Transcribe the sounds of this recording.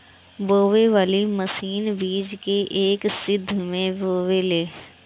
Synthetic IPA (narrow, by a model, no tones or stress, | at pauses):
boːʋeʋaːliməsiːnbiːd͡ʒkeʔeːksɪd̪ʱːmẽboːʋeleː